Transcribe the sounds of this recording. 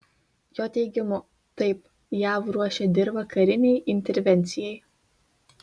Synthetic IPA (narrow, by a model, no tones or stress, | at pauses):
joːt̪ʲɛɪɡʲɪmʊ | t̪ɐɪp | jæːʋɾuɔʃʲɛd̪ʲɪɾʋɐkɐɾʲɪnʲɛɪʔɪnʲt̪ʲɛɾʲʋʲɛnʲt̪sʲɪjɛɪ